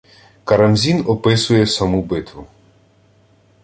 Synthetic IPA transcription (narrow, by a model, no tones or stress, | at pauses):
kɐɾɐmzʲinɔpɪsʊjɛsɐmubɪt̪ʋʊ